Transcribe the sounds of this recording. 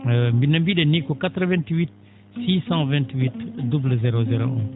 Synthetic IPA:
mbinambiɗenikokat̪ɾəvɛ̃nt̪wit̪̚ | sisɑ̃vɛ̃nt̪wit̪dubləzeɾozeɾoʔɛ̰̃

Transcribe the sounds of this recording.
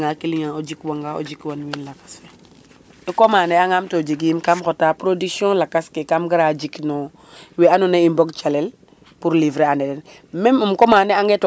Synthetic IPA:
ŋakiliɲaod͡ʒikwaŋɡao̰d͡ʒikwanwinlakḁse | ikomaːneaŋamtod͡ʒik̬imkamxotapɾodiksɔ̃lakaskekamɡiɾad͡ʒiknɔ | wianuneimboɡt͡ʃalɛl | puɾlivɾeanɛdɛn | mɛmumkomaːneaŋɡet

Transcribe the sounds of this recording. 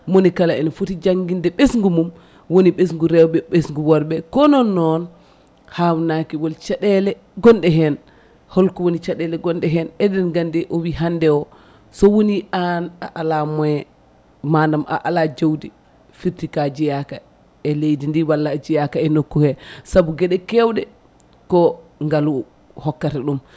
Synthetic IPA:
monikalaɛnɔfutid͡ʒaŋɡindɛɓesŋɡumum | woniɓes̬ŋɡuɾɛwɓɛɓesŋɡuwɔɾbɛkɔnɔnːɔn | hawnakiwɔlt͡ʃaɗɛlɛ | ɡɔnɗɛɦɛn | hɔlkɔwonit͡ʃaɗɛlɛɡɔnɗɛɦɛnɛdɛnɡandɛʔowiɦandɛwɔ | sɔwoniʔanaʔalamɔɛ | manama̰ʔalad͡ʒowdi | fiɾtikad͡ʒijaka | ɛlejdindiwalːad͡ʒijakaɛnokːuhɛsabuɡɛɗɛkɛwɗɛ | kɔŋɡalu | hɔkːataɗum

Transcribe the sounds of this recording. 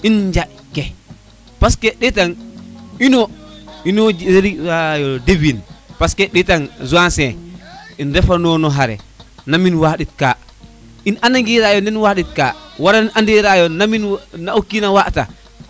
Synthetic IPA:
ind͡ʒa | kːɛ | paskɛɗɛtaninɔinɔd͡ʒɾeɾajɔdebinpaskɛɗɛtanzuansɛ | indɛfanɔnɔɦaɾɛ̰naminwaɗitka | inanaŋɡiɾajɔndɛnwaɗitka̰waɾanʔandiɾajɔnaminnaokːinawaʔta̰

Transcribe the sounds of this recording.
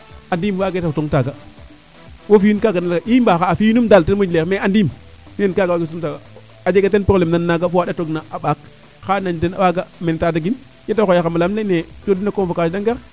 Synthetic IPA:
andimwaːɡetasoŋtaɡa | wofijunkaɡanalɡaʔibaxaːfinumdaltenmod͡ʒlemeandim | minenkaɡawaɡes̬uŋtaɡaː | d͡ʒeɡatenpɾolemnanːaɡafuaɗatoɡnaʔaɓak | xanaɲdena̰waɡamentadaɡin | jetaxojaxamalamlenet͡ʃodinakomfokasdaŋɡaɾ

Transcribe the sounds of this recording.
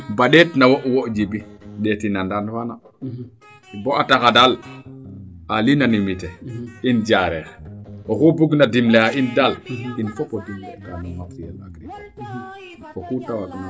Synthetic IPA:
baɗɛtnawoʔwɔʔd͡ʒibiɗɛtinandanfana | bɔʔatakadal | alinanimitɛind͡ʒaɾɛɾɔkubuɡnadimleaindalinfɔpɔdimlɛ̰kanɔmakijɛ̰laɡɾipa | fokutawaɡna

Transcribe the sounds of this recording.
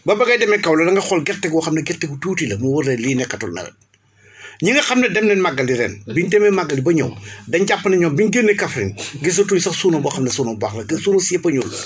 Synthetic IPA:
bɐbɐɡɐjdɛmɛkɐwlɐlɐŋɡɐxɔlɡɛɾtːɛɡwɔxɐmnɐɡɛɾtɛɡutuːtilɐmuwɐɾlɛliːnɛkːɐtɔ̰lnɐ̰lɐ̰ | ɲiŋɡɐxɐmnɐdɛmnɛnmaɡːɐldiɾɛ̰ːnbindɛmɛmaɡːɐlibɐɲɐ̰wdɐɲɟapːɐnɐɲɔbinɡenːekɐfɾḭnɡis̬ɐtunsɐxsuːnɐbɔxɐmnɐsuːnɐbaxlɐkɐsuːnɐsiɐpɐɲul

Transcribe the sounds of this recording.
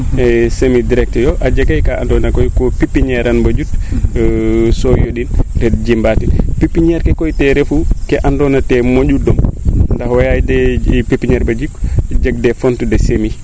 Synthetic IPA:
ɛsemidiɾɛk̚tɛjɔʔad͡ʒaɡajkaʔandɔnakɔjkɔpipːiɲɛɾanbad͡ʒut | sɔjoɗinɾɛd̚d͡ʒimbatinpipːiɲɛɾkɛkɔjtɛɾɛfukɛʔandɔnatɛmod͡ʒudɔmndahwɔjajdɛpipːiɲɛɾbad͡ʒikd͡ʒaɡ̚dɛfontudɛsemi

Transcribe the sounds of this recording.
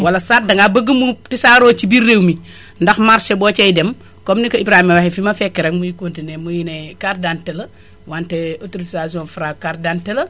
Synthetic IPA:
wɐlɐsat̚dɐŋɡabɐɡəmutisaɾoːt͡ʃibiɾːewmi | ndɐxmaɾʃebot͡ʃejdem | komnikɐibɾaimiwahifimɐfekːeɾekmujikoːntinemujinekaɾdantelɐ | wanteotuɾisazonfuɾakaɾdantelɐ

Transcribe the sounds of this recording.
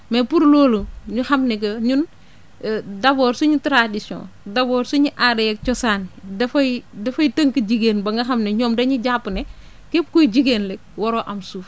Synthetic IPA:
mɛpuɾloːluɲuxɐmnɛkɐɲun | dɐbɔːɾsuɲutɾadisjɔ̰̃ːdɐbɔːɾsuɲuʔadɐjɛk̚t͡ʃɔsaːndɐfɐjdɐfɐjtɐŋkid͡ʒiɡeːnbɐŋɡɐxɐmnɛɲɔːmdɐɲuɟapːnɛ | kep̚kujd͡ʒiɡenlɛk̚wɔɾɔːʔɐmsuːf

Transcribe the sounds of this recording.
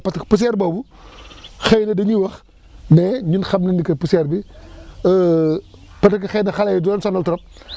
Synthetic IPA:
pɐtkɐpus̬ɛːɾbɔːbu | xɛjnɐdɐɲiwɐx | nɛɲinxɐbnɐndikɐpusɛrbi | pɐtɐkɐxɛjnɐxɐlɐjdɔnsɔnɐltɔɾɔp̚

